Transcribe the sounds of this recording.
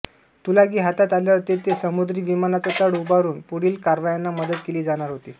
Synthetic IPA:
t̪ulaɡiːɦat̪at̪aljat̪et̪esəmud̪ɾiːʋimanat͡sat̪əɽubaɾuːnpuɽ̤iːlkaɾʋajanːaməd̪ət̪keliːd͡zaɽ̃aɾɦot̪iː

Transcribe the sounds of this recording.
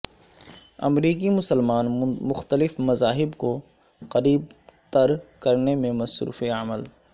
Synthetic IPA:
ɐ̰mɾiːk̬imʊsəlmaːnmʊxt̪əlɪfmɐzaːɦɪbko | qɐɾiːb̚t̪ɐɾkɐɾnemẽmɐsɾṵːfeɐməl

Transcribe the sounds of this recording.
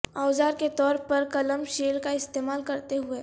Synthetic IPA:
aːzaːɾket̪ɔːɾpɐɾkɐləmʃeːlkaɪst̪eːmaːlkɐɾt̪eɦʊeː

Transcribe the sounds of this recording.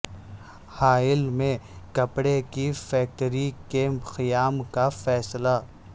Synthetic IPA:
haːɪlmẽkɐpɽekifɛːk̚ʈəɾikeːmpxɪjaːmkafɛːsla

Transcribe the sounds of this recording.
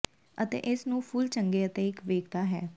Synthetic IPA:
ət̪ḛːʔɪsnũːpʰʊlt͡ʃəŋɡeːət̪eːɪkʋeːkt̪aːɦɛ̰ː

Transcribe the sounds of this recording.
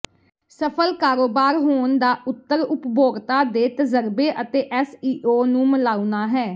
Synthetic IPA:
səpʰəlkaːɾoːbaːɾɦoːnd̪aːʔʊt̪ːəɾʊpbʱoːɡt̪aːd̪eːt̪əzəɾbeːʔət̪eːʔɛːsiːʔoːnũːməlaːunaːɦɛː

